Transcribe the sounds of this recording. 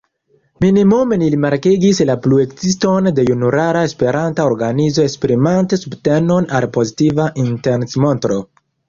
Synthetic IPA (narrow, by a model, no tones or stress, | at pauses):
minimumenilimaɾkiɡislaplue̞kzisto̞nde̞junuɾaɾae̞spe̞ɾantaoɾɡanizo̞e̞kspɾimantesubte̞no̞nalpo̞zitivaʔintensmontɾo̞